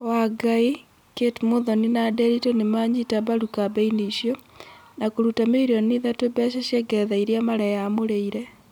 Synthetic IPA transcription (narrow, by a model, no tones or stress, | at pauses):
waɡai | ketmoðoninadɛɾitonemaːɲitabaɾukabeiniʃjonakoɾutameɾioniðatobɛʃeʃjɛɡɛðaiɾjamaɾɛjamoɾeiɾɛ